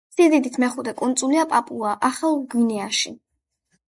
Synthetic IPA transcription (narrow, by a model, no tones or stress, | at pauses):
sid̪id̪it̪ʰmɛχud̪ɛkʼunt̪sʼuliapʼapʼuaʔaχalˠɡwinɛaʃḭ